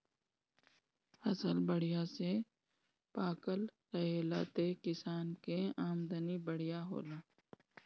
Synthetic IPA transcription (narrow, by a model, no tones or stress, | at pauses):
ɐsəlbəɽ̤ijase | paːkəlɾɐɦeːla̰ːt̪ekɪsaːnkeaːmd̪ənibəɽ̤ijaɦo̰ːlaː